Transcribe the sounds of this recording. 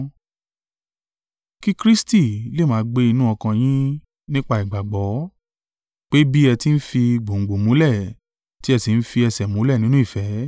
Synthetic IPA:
ki˦kɾi˦sti˦˨le˦˨mãː˨˦ɡ͡be˧i˧nũ˦ɔ˧kã˧j̃ĩ˦ | nĩ˦k͡pa˦i˨ɡ͡ba˨ɡ͡bɔ˨˦ | k͡pe˦bi˦ɛ˧ti˦n̩˦fi˧ɡ͡bo˨ŋ̩˨ɡ͡bo˨mũ˨˦lɛ˦˨ | ti˦ɛ˧si˨n̩˦fi˧ɛ˧sɛ˨mũ˨˦lɛ˦˨nĩ˨˦nũ˦i˦˨fɛ˨˦

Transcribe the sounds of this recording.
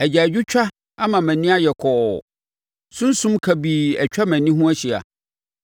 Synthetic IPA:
æ˨d͡ʑa˨d͡ʑᶣʊ˦t͡ɕᶣa˦ | a˦mã˨mæ̃˨nĩ˦a˦jɛ˨kʰɔ˨ | sʊ̃˦n˦sũ˦mkʰa˨biː˨ɛ̰˨t͡ɕᶣa˦mæ̃˨nĩ˦ɦũ˦æ˦ɕi˨a̰˨

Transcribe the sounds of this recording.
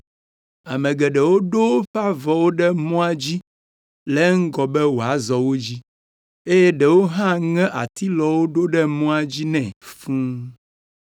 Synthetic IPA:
a̰˨mɛ̃˨ɡɛ˨ɖɛ˨wo˦ɖo˦ɸa˦vɔ˨wo˦ɖɛ˦mɔ̃˦a˨d͡ʑi˦ | lɛ˦ŋ̩˦ɡɔ˨bɛ˦wo˨a˨zɔ˨wo˦d͡ʑi˦ | e˦jɛ˦ɖɛ˨wo˦ɦã˦ŋɛ̃˦ʔa˨t̪i˦lɔ˨wo˦ɖo˦ɖɛ˦mɔ̃˦a˨d͡ʑi˦nɛ̃˨fũ˦

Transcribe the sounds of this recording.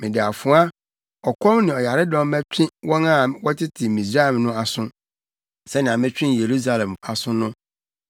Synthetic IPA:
mɪ̃˨dɪ˨a˨fʊ˦a˦ | ɔ˨kʰɔ̃˦mnɪ̃˨ɔ˨ja˨ɾɪ˦dɔ̃˦m˦mæ˦t͡ɕᶣʰɪ̃˦wɔ̃˦nã˦˨wɔ˦tʰɪ˦tʰɪ˨mĩ˨sɾa˦ɛ˨mnʊ̃˦a˨sʊ̃˦ | sɛ˦nɪ̃˨ã˨mɪ̃˦t͡ɕᶣɪ̃˦n˨je˨ɾu˦s̬a˨lɛ̃˨ma˨sʊ̃˦nʊ̃˦

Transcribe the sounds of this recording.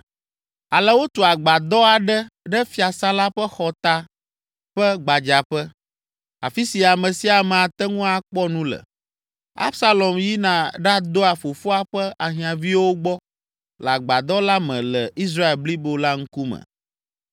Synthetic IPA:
a˨lə˦wo˦t̪o˨a˨ɡ͡ba˨d̪ɔ˦a˨ɖɛ˦ɖɛ˦fi˨˦a˨sã˦la˦ɸə˦xɔ˨t̪a˦ | ɸə˦ɡ͡ba˨d͡ʒa˨ɸɛ˦ | a̰˨fi˦si˨a˨mɛ̃˨si˦a˨mɛ̃˨a˨t̪ɛ˦ŋũ˦a˨k͡pɔ˦nũ˦lə̰˨ | a̰˦bsa˦lɔ˨mji˦nã˨ɖa˦d̪o˦a˨fo˨fo˦a˦ɸə˦ʔa˨ɦĩ˨ã˨vi˦wo˦ɡ͡bɔ˦ | lɛ˨a˨ɡ͡ba˨d̪ɔ˦la˦mɛ̃˨lɛ˨ʔi˦s̬ɾa˦e˨lbli˦bo˨la˦ŋ̩˦ku˦mə̰̃˨

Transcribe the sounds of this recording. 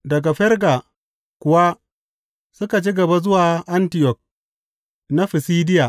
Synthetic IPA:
dɐ˨ɡa˨ɸɛ˦ɾɡa˨ | kʷʊ˨wa˦ | sʊ˦ka˨t͡ʃi˦ɡɐ˨ba˦zʊ˦waː˨ʔa˦ntɪ˨jɔ˨k̚ | na˦ɸi˨siː˦dɪ˦ja˨

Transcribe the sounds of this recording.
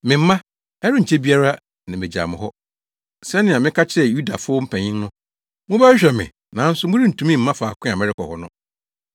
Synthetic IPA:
mɪ̃˨m̩˦mã˦ | ɛ˦ɾʊ˦ɲ̩ʰ˨e˦bi˦a˦ɾa˦ | nã˨mɪ˨d͡ʑa̰˨mɪ̰̃˨ɦɔ˦ | sɛ˦nɪ̃˨a˨mɪ̃˦kʰa˦t͡ɕʰɪ˦ɛ˦˨ju˦da˨fʊ˦ɔ˦m̩˦pʰæ̃˨ɲɪ̃˦ŋnʊ̃˦ | mʊ̃˦bæ˦ɕᶣɛ˨mɪ̰̃˨ | nã˨˦n̩˦sʊ˦mʊ̃˦ɾi˦n̩˨tʰũ˨mĩ˦˨m̩˦mã˦faː˨kʷʰʊ̃˦ã˨mɛ˦ɾɪ˦kʰɔ˨hɔ˦nʊ̃˦

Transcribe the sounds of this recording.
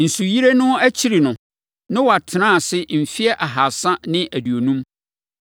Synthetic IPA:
n̩˨su˨ji˦ɾe˦nʊ̃˦æ˦t͡ɕʰi˦ɾi˨nʊ̃˨ | nɪ̃˦wa˨tʰɪ˨nã˦˨sɪ˦m̩˨fi˦ɛ˦ʔa˨ɦa˨sã˦nɪ̃˦ʔæ˨di˨o˨nũ˦m

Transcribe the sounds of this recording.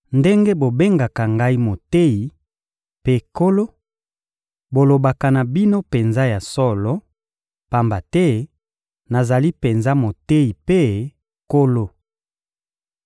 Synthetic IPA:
nde˦ŋɡe˦bo˨be˦ŋɡa˨ka˨ŋɡa˦i˦mo˨te˦i˨ | pe˦ko˦lo˦ | bo˨lo˨ba˨ka˨na˨bi˦no˦pe˨nza˦ja˨sɔ˦lɔ˦ | pa˨mba˨tɛ˦ | na˨za˨li˦pe˨nza˦mo˨te˦i˨pe˦ | ko˦lo˦

